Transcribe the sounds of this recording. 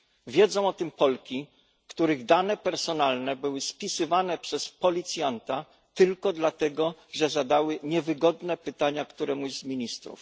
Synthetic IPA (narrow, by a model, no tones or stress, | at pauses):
vʲjɛd̪zɔ̃w̃ɔt̪ɘmpɔlkʲi | kt̪uɾɘɣd̪anɛpɛɾsɔnalnɛbɘwɘspʲisɘvanɛpʂɛspɔlʲit̪sʲjant̪a | t̪ɘlkɔd̪lat̪ɛɡɔʐɛzad̪awɘɲɛvɘɡɔd̪nɛpɘt̪aɲakt̪uɾɛmujɛzzmʲiɲist̪ɾṵf